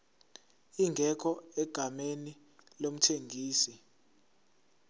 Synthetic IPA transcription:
iŋɡʱɛkʰɔɛɡ̥ʱameni | lom̩tʰeŋʱiːsi

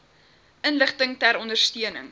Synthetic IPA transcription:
ʔənləχtəŋtæɾɔndərstiənə̰ŋ

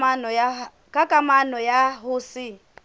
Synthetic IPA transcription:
anɔja | kʼakʼamanɔjaɦʊːsɪ

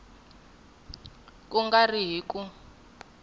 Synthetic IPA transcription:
kuŋɡariɦiːkʼu

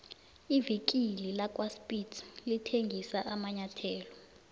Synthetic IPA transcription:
ivik̬ʼililak̬ʼwaspʼitʰlitʰeŋɡʱisaʔamaɲatʰɛːlɔ

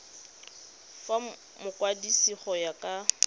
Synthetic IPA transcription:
fa | mʊkʼwadisiχɔjakʼa

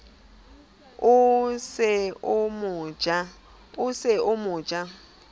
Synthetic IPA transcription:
ʊsɪʊmʊd͡ʒa | ʊsɪʊmʊ̥ːd͡ʒ̥ʱʼa

